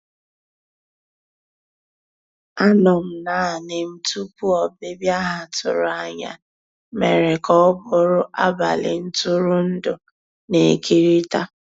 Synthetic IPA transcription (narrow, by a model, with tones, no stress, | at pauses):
a˦nɔ˨m̩˨na˦˨nɪ˨m̩˦tu˦pu˦ɔ˨bɪ˦bja˦ɦa˨tʊ̰˨ɾʊ˨a˨ɲa̰˨ | me˨ɾe˨kɔ˦ʊ˦bʊ˨ɾʊ˦ʔa˦ba̰˨lɪ̰˨n̩˦tʊ˦ɾʊ˦n̩˦dʊ˨ | ne˨ki˦ɾi˦ta˦